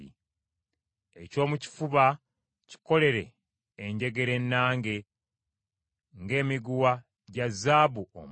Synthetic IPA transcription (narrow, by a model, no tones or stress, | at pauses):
ḭ | ḛco̞ːmuci̥fuβa | ci̥ko̞le̞ɾe̞ː | ɲɟe̞ɡe̞ɾe̞nːaːŋɡe̞ | ŋɡe̞ːmiɡuwa | ɟazːaːβuo̰m